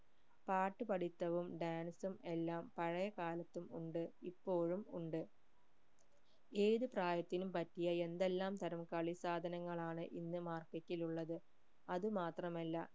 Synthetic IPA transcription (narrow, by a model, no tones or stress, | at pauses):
paːʈːɨpɐɽit̪ːɐʋumɖaːnsume̞lːaːmpɐɻɐjɐkaːlɐt̪ːumuɳɖɨipːo̞ːɻumuɳɖɨ | e̞ːðɨpraːjɐt̪ːinumpɐtːijɐe̞nd̪e̞lːaːmt̪ɐɾɐmkɐɭisaːd̪ʱɐnɐŋːɐɭaːɳɨʔinːɨmaːrketːiluɭːɐðɨ | ɐðɨmaːt̪rɐmɐlːɐ